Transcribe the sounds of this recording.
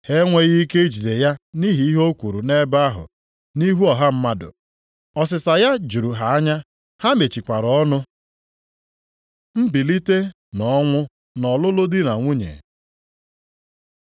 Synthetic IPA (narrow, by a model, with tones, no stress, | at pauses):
he˦ŋʷe˦ɣi˦ke˦i˦d͡ʒi˨de˨ja˦ni˦ɦi˨˦i˦ɦo˦kʷu˨ɾu˨ne˦ba˦ɦʊ̰˨ | ni˦ɦu˦ɔ˨ɦa˦m̩˦ma˦dʊ̰˨ | ɔ˨s̬ɪ˨sa˨ja˦d͡ʒu˨ɾu˨ɦa˨a˦ɲa˦ | ha˦me˨t͡ʃi˨kʷa˨ɾɔ˦nʊ˦ | m̩˦bi˨li˦te˦ | nɔ˨˦ŋʷʊ˦ | nɔ˨lʊ˦lʊ˦dɪ˦na˨ŋʷu˦ɲḛ˨